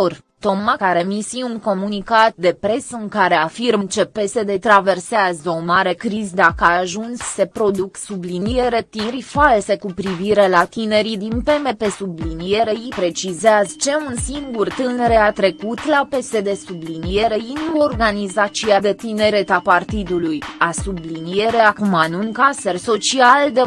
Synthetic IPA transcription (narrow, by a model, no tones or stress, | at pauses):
or | t̪o̞mːakaɾe̞misiuŋko̞munikat̪̚d̪e̞pɾe̞səɨŋkaɾe̞afirmnt͡ʃe̞pe̞se̞d̪e̞t̪ɾave̞rseazəo̞maɾe̞kɾizd̪akəaaʒunsːe̞pɾo̞d̪uksublinije̞ɾe̞t̪iɾifalse̞kupɾiviɾe̞lat̪ine̞ɾid̪inpe̞me̞pe̞sublinije̞ɾeipɾe̞t͡ʃizeazt͡ʃe̞unsiŋɡurt̪ɨneɾeat̪ɾe̞kut̪lape̞se̞d̪e̞sublinije̞ɾeinuo̞rɡanizat͡ʃiad̪e̞t̪ineɾe̞t̪apart̪id̪ulujasublinie̞ɾe̞akumanuŋkase̞rso̞t͡ʃiald̪e